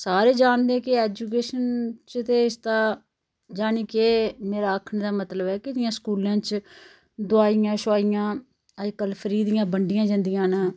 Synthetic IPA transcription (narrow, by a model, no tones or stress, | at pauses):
saːɾeːd͡ʒaːnd̪eːkɪeːd͡ʒuːkeːʃənt͡ʃt̪eːɪst̪aː | d͡ʒaːniːkeːmeːɾaːəkʰɳːd̪aːmət̪ləbɛːkɪd̪ɪjãːskuːlãːt͡ʃ | d̪ʊaːijãːʃʊaːijãː | əd͡ʒkəlpʰəɾiːd̪ɪjãːbəɳɖɪjãːd͡ʒə̃nd̪ɪjãːnaː